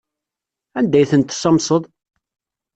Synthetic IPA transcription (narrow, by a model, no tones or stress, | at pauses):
ænd̪æjθənt̪sɑmsˤəðˤ